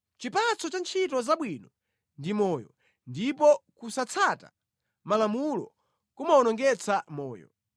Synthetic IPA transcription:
t͡ʃipat͡sʰɔt͡ʃant͡ʃʰitɔzaɓwinɔ | ndimɔːjɔ | ndipɔkusat͡sʰata̰ | malamulɔ̰ | kumaɔnɔŋɡɛt͡sʰamɔːjɔ̰

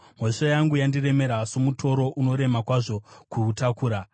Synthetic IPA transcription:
moʂajaŋɡujandire̞me̞ɾasomutʰo̞ɾo̞ʔuno̞ɾe̞makwaʐo̞kutakuːɾa

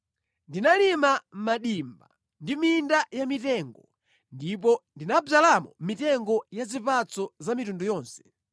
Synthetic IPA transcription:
ndinalimammaɗimba | ndimindajamitɛŋɡɔ | ndipɔndinabzalamumitɛŋɡɔjazipat͡sɔzamitundujɔːnsɛ̥

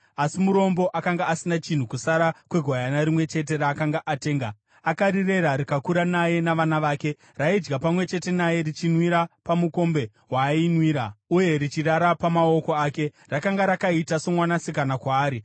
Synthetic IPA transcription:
asimuɾo̞mbo̞ʔakaŋɡaːsinat͡ʃin̤ukusaɾakwe̞ɡʱwajanaɾimwe̞t͡ʃe̞t̬e̞raːkaŋɡaʔate̞ːŋɡa | akaɾire̞ɾaɾikakuɾanaje̞naʋanaʋaːke̞ | raid͡ʒɡapamwe̞t͡ʃe̞te̞naje̞ɾit͡ʃinwiɾapamuko̞mbe̞ | ɦwainwiːɾauje̞rit͡ʃiraɾapamao̞ko̞aːke̞ | rakaŋɡaɾakaitaso̞mwanasikanakwaːɾi

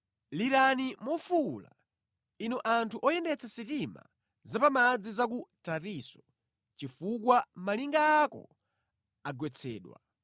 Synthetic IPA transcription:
liɾanimɔfula̰ | inɔʔantʰuʔɔjɛndɛt͡sʰasitima̰ | zapamad͡zizak̬utatisɔ | t͡ʃifukwamaliŋɡaːkɔ̰ | aɡwɛt͡sʰɛ̰ːɗwa̰

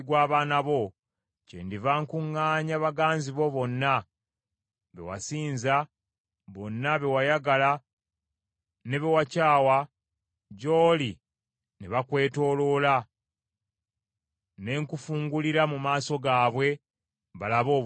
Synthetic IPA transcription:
ɡwaːβaːnaβo̞ | cḛndivaŋkuŋːaːɲaβaɡaːnziβo̞βo̞nːa | βḛwa̰siːnza | βo̞nːaβe̞wajaɡala | ne̞βewacaːwa | ɟo̞ːli | neβakwe̞ːto̞ːlo̞la | ne̞ŋkufuːŋɡuliɾamumaːso̞ɡaːβwe̞ | βalaβo̞ː

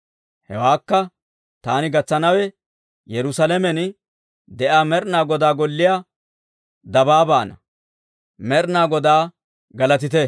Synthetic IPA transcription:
hɛ̰waːkːɐ | t̪aːnɪɡɐt͡sːɐnɐwɛ | jɛɾʊsɐlɛmɛn | d̪ɛʔaːmɛɾnaːɡɔd̪aːɡɔlːɪjaː | d̪ɐbaːba̰ːnɐ̰ | mɛɾnaːɡɔd̪aː | ɡɐlɐt̪ɪt̪ɛ

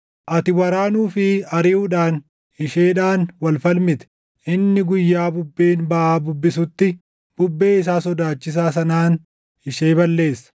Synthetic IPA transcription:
ʔɐt̪ɪwɐɾaːnuːfɪɐɾɪuːᶑaːn | ɪʃe̞ːᶑaːnwɐlfɐlmɪt̪ɛ̥ | ʔɪnːɪɡʊjːaːbʊbːeːnbɐʔaːbʊbːɪsʊt̪ːɪ | b̥ʊbːe̞ːɪs̬aːsɔd̪aːt͡ʃːɪs̬aːs̬ɐnaːn | ɪʃeːbɐlːe̞ːsːɐ̥

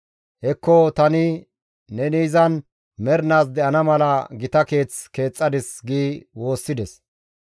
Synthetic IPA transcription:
hɛkːɔt̪ɐnɪː | ɛniːzɐn | mɛɾnaːs̬d̪ɛʔɐnɐmɐlɐɡɪt̪ɐke̞ːt͡ske̞ːt͡sʼːɐd̪ɪsɡiːwo̞ːsːɪd̪ɛs

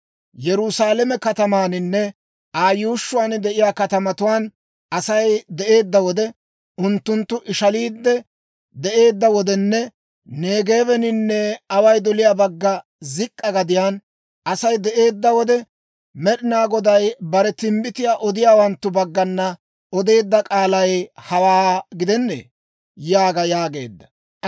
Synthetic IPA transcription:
jɛɾʊsaːlɛmɛkɐt̪ɐmaːnɪnːɛ | ʔaːjuːʃːʊwaːnd̪ɛʔɪjaːkɐt̪ɐmɐt̪ʊwaːn | ɐsɐjd̪ɛʔe̞ːd̪ːɐwɔd̪ɛ | ʔʊnt̪ːʊnt̪ːʊʔɪʃɐliːd̪ːɛ | d̪ɛʔe̞ːd̪ːɐwɔd̪ɛnːɛ | neːɡe̞ːβɛnɪnːɛɐwɐjd̪ɔlɪjaːbɐɡːɐ | zɪkʼːɐɡɐd̪ɪjaːn | ʔɐsɐjd̪ɛʔe̞ːd̪ːɐwɔd̪ɛ | mɛɗɪnaːɡɔd̪ɐjbɐɾɛt̪ɪmbɪt̪ɪjaːʔɔd̪ɪjaːwɐnt̪ːʊbɐɡːɐnːɐ | ʔɔd̪e̞ːd̪ːɐkʼaːlɐjhɐwaːɡɪd̪ɛnːḛː | jaːɡɐjaːɡe̞̰ːd̪ːɐ̥

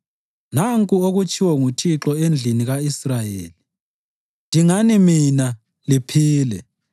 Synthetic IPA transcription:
naŋkʼuoɣut͡ʃʼʰiwɔŋutʰiǁɔend͡ɮʱiniɣaisrajeːli | ndʱiŋanimina | lipʰiːlɛ

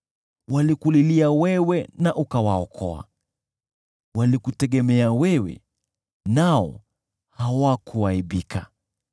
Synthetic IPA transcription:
walikuliliawɛwɛnaʔukawaɔkʰɔ̰a̰ | walikutɛɠɛmɛawɛwɛ̰ | naɔ̰ | hawakuaiɓikʰa

